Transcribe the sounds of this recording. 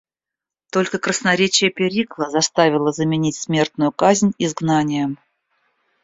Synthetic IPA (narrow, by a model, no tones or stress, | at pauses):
t̪o̞lʲkəkɾəsnɐɾʲet͡ɕɪjəpʲɪɾʲiklˠəzɐst̪avʲɪlˠəzəmʲɪnʲitʲsmʲe̞rt̪nʊjʊkazʲnʲɪzɡnanʲɪjəm